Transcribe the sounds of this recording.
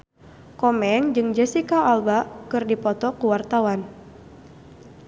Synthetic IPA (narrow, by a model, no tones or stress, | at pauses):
kɔmɛŋd͡ʒɨŋd͡ʒɛsikaalbakɨrdipɔt̪ɔkuwart̪awan